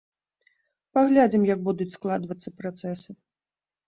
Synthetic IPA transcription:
paɣlʲad͡zʲimjɐɡ̚bud̪ut͡sʲsklˠad̪vɐt̪sːɐpɾat̪sɛsɨ

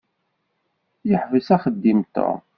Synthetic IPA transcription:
jəħvəsæχəd̪ːimt̪ə̰

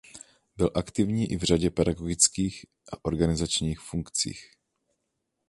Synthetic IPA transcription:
bɪlʔakt̪ɪvɲiːʔɪvr̝aɟɛpɛdaɡoɡɪt͡skiːx | ʔaʔo̞ɾɡanɪzat͡ʃɲiːxfuŋkt͡sḭːx

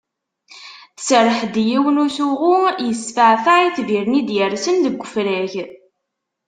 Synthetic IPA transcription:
sərˤːəħd̪jiwənuθuʁʊjəsfəʕθaiθviɾnid̪jəɾsənd̪əɡʷːəfɾæç

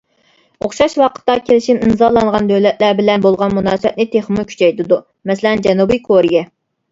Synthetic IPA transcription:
oχʃɑʃwɑqʰə̥t̪ːɑkʲʰelɪʃiminzɑlˠɑŋʁɑnd̪ølɛt̪̚læɾbɪlɛnbolˠʁɑnmunɑːswɛt̪nɪt̪ʰeχmukʲʰy̥t͡ʃʰɛjt̪ɪd̪u | mɛselɛnd͡ʒɛnubijkʰoɾijɛ

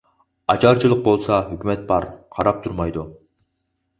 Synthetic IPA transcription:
ɑt͡ʃʰɑɾt͡ʃʰilˠəq̚bolˠsɑɦykʲymɛt̪̚bɑɾqʰɑɾɑp̚t̪ʰuɾmɑjd̪u

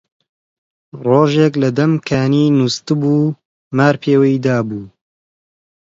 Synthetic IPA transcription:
roːʒeːklɐd̪ɐmkʰaːniːnust̪ɨbuː | maːɾpʰeːwɐjd̪aːbuː

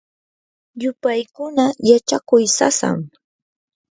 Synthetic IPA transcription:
jʊpajkʊnajat͡ʃakʊjsa̰sa̰ŋ

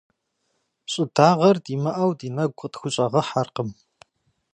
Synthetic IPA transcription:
pɕʼɪd̥aːʁɐrdiːmɐʔɐwdiːnɐɡʷʼətxʷʊɕʼɐʁɐħarqəm

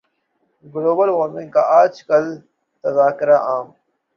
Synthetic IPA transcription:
ɡloːbɐlwoːɾmĩŋkaʔaːd͡ʒkɐl | t̪ɐzaːkɪɾaʔaːm

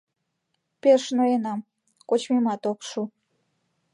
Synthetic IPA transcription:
peʃnoenɑm | kot͡ɕmimɑt̪okʃu

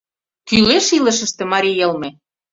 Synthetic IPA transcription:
kyleʃilə̆ʃə̆ʃt̪ĕmɑɾʲijɤ̆lmĕ

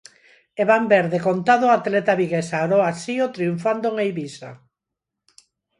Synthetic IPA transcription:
eβambeɾðekont̪aðoat̪lɛt̪aβiɣesaɾoasiot̪ɾiuɱfand̪oŋejβisa̰

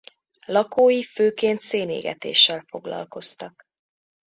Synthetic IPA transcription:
lɒkoːjiføːkeːnt̪seːnḛːɡɛ̰t̪ḛːʃːɛlfo̞ɡlɒ̰lko̞st̪ɒk

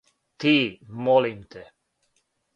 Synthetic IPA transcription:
t̪imɔlimt̪e

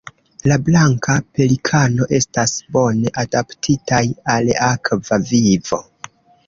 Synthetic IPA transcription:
lablaŋkʰape̞likʰano̞ʔe̞stasbo̞ne̞ʔadaptʰitajalakvavivo̞̰

